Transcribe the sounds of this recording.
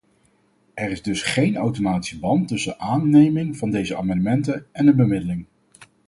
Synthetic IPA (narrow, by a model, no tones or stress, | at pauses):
ʔɛɾɪzdɵsχejnawtomaːti̥səbɑntɵsənʔaːnːejmɪŋvɑndejzəa̰ːmɑndəmɛntənɛndəbəmɪdəlɪŋ